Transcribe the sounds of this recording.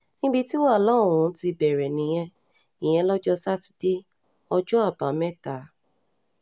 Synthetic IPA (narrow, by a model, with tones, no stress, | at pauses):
nĩ˦bi˧ti˦wã˦˨lɔ˦˨ɾũ˧˦ti˧bɛ˨ɾɛ˨nĩ˨˦j̃ɛ̃˧ | ĩ˨j̃ɛ̃˧lɔ˦d͡ʒɔ˦sa˦ti̥˦d̥e˦ | ɔ˧d͡ʒɔ˦a˦˨bã˨˦mɛ̃˦˨ta˨˦